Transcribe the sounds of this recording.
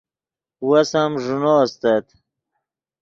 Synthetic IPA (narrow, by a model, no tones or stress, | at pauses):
wasamʐunost̪at̪